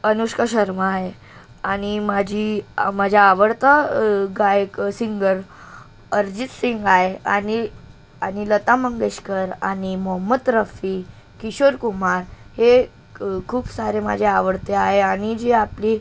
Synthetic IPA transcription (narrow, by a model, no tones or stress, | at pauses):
ənuɕkəɕəɾmaaɦe | añimad͡ʑʱimad͡ʑʱjaːʋəɽt̪əɡajksiŋɡəɾ | əɾd͡ʑit͡s̪siŋɡaɦea̰ni | anilət̪aməŋɡeɕkəɾa̰nimɔɦəmːət̪ːɾəfi | kiɕoɾkumaɾhe | kʰuːpsaɾema̰d͡ʑʱeaʋəɽt̪eaɦeaɽ̃id͡ʑiapli